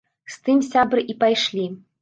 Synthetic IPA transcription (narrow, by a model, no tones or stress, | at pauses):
st̪ɨmsʲabɾɨʔipajʂlʲi